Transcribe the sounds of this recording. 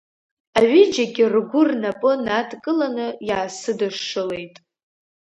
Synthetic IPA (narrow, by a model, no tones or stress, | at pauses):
aɥɪd͡ʒaɡʲɪrɡʷʊrnapʼɨnatʼkʼɨlanɨjaːsɨdɨʂːɨle̞jtʼ